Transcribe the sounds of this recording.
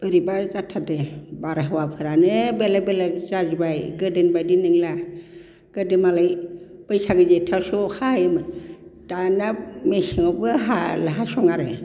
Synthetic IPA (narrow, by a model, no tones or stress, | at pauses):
bɯɾibazatʰːadebaɾaɦawapʰɯɾanɯbelabelazazibajɡɯdenbajdinɯŋla | ɡ̥ɯdemalajbəjsaɡɯzetʰasɔkʰahjemɯd̥anamesiŋɔbɡɯɦa̰laɦasɔŋaɾɯ